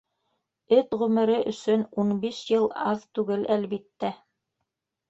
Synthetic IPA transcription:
ɘt̪ʁʉmɘ̆ɾɘʔɵ̆sɵnunbiʃjɤlˠɑðt̪ʉɡɘlælβit̪ːæ

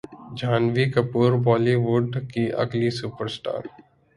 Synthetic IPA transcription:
d͡ʒʱaːnʋikəpuːɾbɔːliʋʊɖkiʔɐ̰ɡlisuːpəɾsʈa̰ːɾ

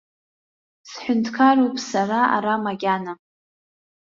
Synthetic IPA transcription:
sħʷʊntʰkʰaropʼsaɾaa̰ɾamaɡʲana

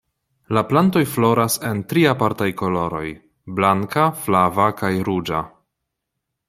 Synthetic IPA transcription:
laplanto̞jflo̞ɾase̞ntɾiapaɾtajko̞lo̞ɾo̞j | blaŋkaflavakajɾud͡ʒa̰

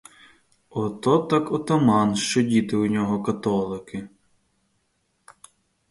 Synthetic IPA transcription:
ɔt̪ɔt̪ɑkɔt̪ɐmɑnʃt͡ʃɔdʲit̪ɪʊnʲɔɦɔkɐt̪ɔlˠɪkɪ

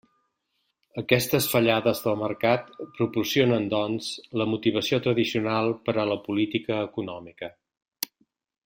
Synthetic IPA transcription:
əkɛst̪əsfəʎaðəzðəlˠməɾkat̪pɾupursionənd̪ɔnz̥ləmut̪iβ̞əsiot̪ɾəðisiunalˠpəɾələpulit̪ikəːkunɔmikə

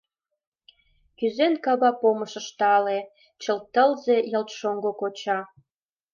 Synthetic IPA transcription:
kyzenkɑβɑpoməʃəʃt̪ɑle | t͡ɕəlt̪ːəlzejəlt̪ʃoŋɡokot͡ɕɑ

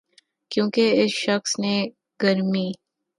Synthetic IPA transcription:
kjõːkeɪsʃɐxsne | ɡɐɾmiː

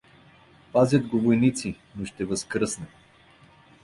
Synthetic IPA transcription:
pazʲjət̪ɡovojnit̪si | noʃt̪ɛvəskɾɤsnɛ

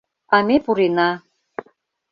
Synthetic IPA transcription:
ɑmepuɾenɑ

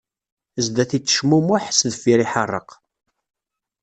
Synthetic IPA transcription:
əzd̪æθit͡sːə̥ʃmumʊħsðfiɾiħərˤːə̰q

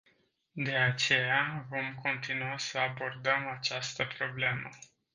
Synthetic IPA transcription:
d̪e̞at͡ʃe̞javo̞mko̞nt̪inuasəabo̞rd̪əmat͡ʃast̪əpɾo̞ble̞mə

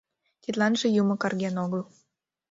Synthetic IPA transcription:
t̪it̪lɑnʒĕjumɤ̆kɑrɣenoɣəl

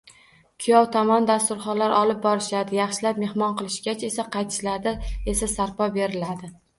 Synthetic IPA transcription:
kʲʰʊjɒwt̪ʰɒmɒnd̪ast̪ʊɾχɒlaɾɒlˠɪp̚bɒɾɪʃad̪ɪjɑχʃɪlap̚me̞hmɒnqɨlˠɪʃɡʲat͡ʃʰe̞saqʰɑjt̪ʰɪ̥ʃlad̪aesasaɾpɒbe̞ɾɪlad̪ɪ

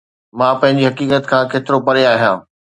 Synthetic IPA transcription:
mãːpɐ̃ɦɪ̃ɲ̆d͡ʑiɦɐkiːkət̪kʰãːkeːt̪ɪɾopɐɾeaːɦijãː

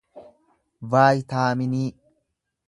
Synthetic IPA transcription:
vaːjt̪aːmɪniː

